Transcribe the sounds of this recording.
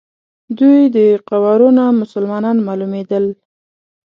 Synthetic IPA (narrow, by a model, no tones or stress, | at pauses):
d̪ujd̪əqawaɾunamʊsəlmɑnɑnmɑlumed̪əl